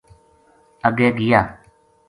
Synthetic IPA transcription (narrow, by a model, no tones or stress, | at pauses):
əɡeːɡɪjaː